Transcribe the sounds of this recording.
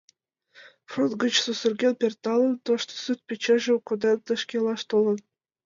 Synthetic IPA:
frut̪ɡɤ̆t͡ɕsusŭrɡʲenpʲert̪ɑlˠɤ̆nt̪ŏʃt̪sut̪̚pʲet͡ɕeʒĕkod̪ent̪ɤ̆ʃkʲelˠɑʃt̪olˠɤ̆n

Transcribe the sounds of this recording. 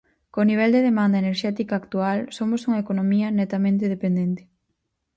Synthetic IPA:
koniβ̞ɛld̪eð̞emãnd̪ɐeneɾʃɛt̪ikaːkt̪ualsomosuŋɐekonomiɐnet̪amẽnt̪̬eð̞epend̪ent̪e̥

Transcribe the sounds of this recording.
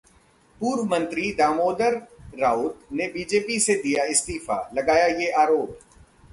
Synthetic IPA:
puːɾʋmə̃nt̪ɾid̪aːmoːd̪əɾːaːʊt̪nebiːd͡ʒeːpised̪ijaɪst̪iːfa̰ːlɐɡaːjajeʔaːɾoːp

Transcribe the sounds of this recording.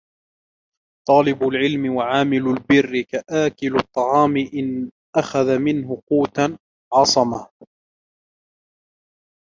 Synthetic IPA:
t̪ˤɑːlɪbʊlʕɪlmɪwaʕaːmɪlʊlbɪrːɪkaʔaːkɪlʊt̪ˤːɑʕɑːmɪʔɪn | ʔaxaðamɪnhʊquːt̪a | ʕɑsˤɑmah

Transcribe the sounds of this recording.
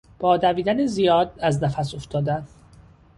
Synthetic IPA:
b̥ɒːd̪æviːd̪ænezijɒːd̪æznæfæso̞ft̪ʰɒːd̪æn

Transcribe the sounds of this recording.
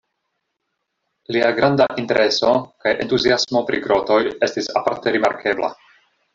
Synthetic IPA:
liaɡɾandaʔinte̞ɾʔe̞so̞kajʔentuziasmo̞pɾḭɡɾo̞to̞je̞stisapaɾte̞ɾimaɾkʰe̞bla̰

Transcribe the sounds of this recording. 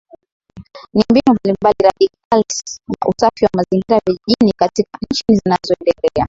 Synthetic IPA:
nimbinumbalimbaliɾaɗikalsna̰ʔṵsafiwamaziŋɡiɾaviʄiʄinikatikan̩t͡ʃinizinazɔɛndɛlɛa

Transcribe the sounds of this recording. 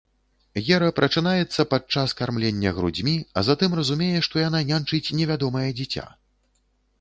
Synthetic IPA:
jʲɛɾɐpɾɐt͡ʂɨnajɛt̪sːɐpat͡ʂaskarmlʲenʲːɐɣɾṵd͡zʲmʲiɐ̰zat̪ɨmrɐzumʲejɛʂt̪ɔjananʲant͡ʂɨt͡sʲnʲɛvʲad̪ɔmɐjɐd͡zʲit͡sʲa̰

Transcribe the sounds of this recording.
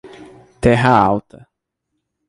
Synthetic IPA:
t̪ɛɦɐawt̪ʰɐ

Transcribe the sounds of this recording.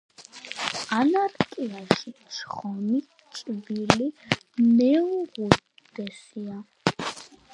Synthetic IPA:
anaɾkʼiaʃit͡ʃʰχɔmi | t͡ʃʼvili | mɛʁu | d̪ɛsia

